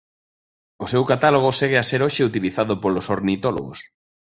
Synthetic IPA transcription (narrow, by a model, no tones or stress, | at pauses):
ʊsewkat̪aloɣ̞oseɣ̞easeɾoʃeut̪iliθaðʊpolosoɾnit̪ɔlo̰ɣo̰s